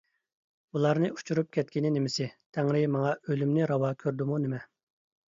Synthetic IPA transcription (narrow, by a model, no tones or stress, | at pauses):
ulˠɑɾnɨu̥t͡ʃʰuɾup̚kʲʰɛt̪̚kʲinɪnɪmɪsɪt̪ʰɛŋɾɪmɑŋɑʔølymnɪɾɑwɑːkʲʰøɾd̪ɪmunemɛ